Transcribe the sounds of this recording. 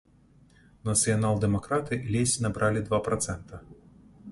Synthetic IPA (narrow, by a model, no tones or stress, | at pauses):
nɐt̪sɨjanalˠd̪ɛmakɾat̪ɨlʲesʲinabɾʔalʲid̪vapɾat̪sɛnt̪ɐ